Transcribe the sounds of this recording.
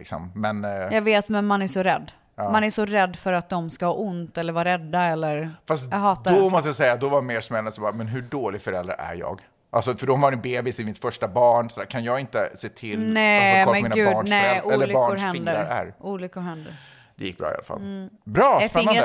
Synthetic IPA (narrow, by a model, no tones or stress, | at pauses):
lɪ̰ksɔ̰mːɛnjɑːɡveːt̪mɛnmanæʂɔɾɛd̪ː | manæʂɔɾɛd̪ːfœɾat̪̚d̪ɔmskahɑːʔʊnt̪ɛlːəɾvɑːɾɛd̪ːaɛlːəɾfast̪ːhɑːd̪ɔmɔst̪əjasɛjːad̪ɔvaɾmeːʂmɛlanəsɔbɑːɾmɛnɦɵɖoːlɪɡafœɾɛ̰ld̪ɾa̰ɾæ̰ɾjɑ̰ːɡ | ʔa̰lsɔfœɖɔvaɾnɪbeːbɪsɪmɪt̪fœʂʈabɑːɳsɔd̪æːɾkʰanjɑːɡɪnt̪ə̰seːt̪ʰɪlnɛmɛmiːnaɡʉbɑːɳnɛʔuɛlːəlɑkːʊɾhɛnd̪əaɾæ̰ɾʔuːlʏkːʊɾɦɛnd̪əɾ | d̪ɛ̰jɪk̚ːbɾɑ̰ːɪa̰la̰fa̰lbɾɑːɛd